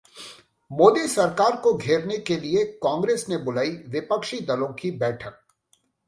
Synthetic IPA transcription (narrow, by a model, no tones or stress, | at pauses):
moːd̪isɐɾkaːɾkoɡʱeːɾnekeliekãːŋɡɾeːsnebʊlaːiʋɪpəkʃid̪ɐlõkibɛːʈʰək̚